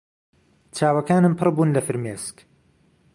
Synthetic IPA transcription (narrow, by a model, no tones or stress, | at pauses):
t͡ʃʰaːwɐkaːnɨmpʰɨrbuːnlɐfɨɾmeːsk